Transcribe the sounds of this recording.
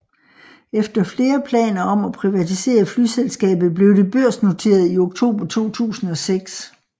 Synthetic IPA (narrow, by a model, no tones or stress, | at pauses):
efd̥ɐfle̝ːɐpʰlɛ̰ːnɐɒ̽mæpʰʁiʋæt͡sʰise̝̰ːɐflyselsɡ̥ɛ̰ːb̥ð̩ˠb̥le̝ʊd̥e̝b̥øɐ̰sno̝t͡sʰe̝̰ːɐð̞̩ˠio̝ɡ̥̚t͡sʰo̝̰ːb̥ɐt͡sʰo̝̰ːt͡sʰṵːsn̩ɒ̽seɡ̥s